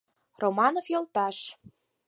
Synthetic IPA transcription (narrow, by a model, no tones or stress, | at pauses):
romɑnofjɤlt̪ɑʃ